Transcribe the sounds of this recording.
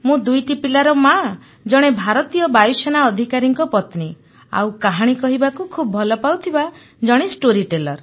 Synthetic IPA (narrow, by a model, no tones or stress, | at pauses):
mũd̪ujʈipilaɾɔma | d͡ʒɔɽ̃ebʱaɾɔt̪ijɔbajuseñaɔd̪ʱikaɾiŋkɔpɔt̪ni | a̰wkaɦaɽ̃ikɔɦibakukʰubɔbʱɔlɔpawt̪ʰiba | d͡ʒɔɽ̃isʈoɾiʈelɔɾ